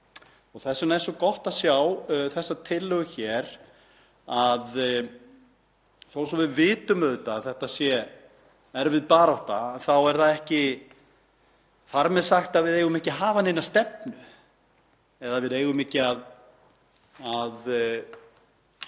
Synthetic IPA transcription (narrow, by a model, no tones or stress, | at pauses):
ɔɣθɛsʏnaj̪sɔkɔht̪asjawθɛsːat̪ʰɪlːʏɣʏçɛːɾ̥ | að | θoːwsɛmvɪðvɪːt̪ʏmœðt̪aːθɛht̪asjɛ | ɛɾvɪðpaːɾawht̪aɛnθawɛɾ̥θaðɛhcɪ | faɾmɛðsaxt̪aðvɪðeːjɣʏmɛhcɪɦaːvanenːast̪ɛpnʏ | ɛðavɪðeːjɣʏmɪhcɪað | að